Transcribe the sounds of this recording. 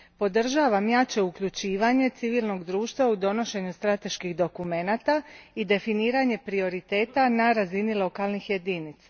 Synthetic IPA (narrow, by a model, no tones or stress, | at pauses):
po̞d̪r̩ʒaːʋamjat͡ʃe̞ukʎut͡ɕiːʋaɲe̞t̪siʋiːlˠno̞ɡd̪ɾuːʃt̪ʋaud̪o̞no̞ʃe̞ɲust̪ɾat̪e̞ʃkixd̪o̞kume̞nat̪aid̪e̞finiːɾaɲe̞pɾio̞ɾit̪e̞ːt̪anaɾazinilˠo̞kalnixje̞d̪init̪sa